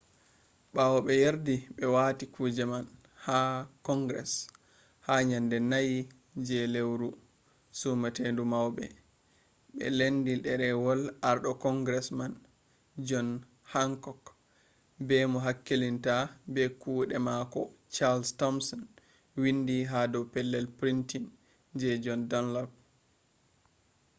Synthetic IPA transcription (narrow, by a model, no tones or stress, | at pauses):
ɓawɔɓɛjeɾdiɓɛwatikud͡ʒɛman | hakɔŋɡɾɛ̰s | haɲandɛnaji | d͡ʒɛlewɾu | sumatendumawɓɛ̰ | ɓɛ̰lendiɗɛɾɛwɔlaɾɗɔkɔŋɡɾɛsman | d͡ʒɔn | haŋkɔk | bɛmɔɦakːelintabɛkuɗɛmakɔt͡ʃalstɔmsɔn | windiɦadɔwpɛlːɛlpɾintin | d͡ʒɛd͡ʒɔndɔnlɔp̚